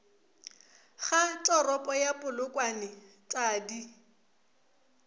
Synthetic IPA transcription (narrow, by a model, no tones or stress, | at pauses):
χatʼɔrɔpʼɔjapʼʊlʊkʼwanɪ | t͡sʼaːdi